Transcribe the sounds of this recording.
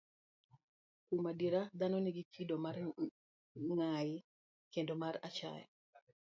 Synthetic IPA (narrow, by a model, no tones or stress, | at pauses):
kumadiɾad̪anɔnɪɡitʰidomar | ŋajɪ | kendomarat͡ʃa̰j̰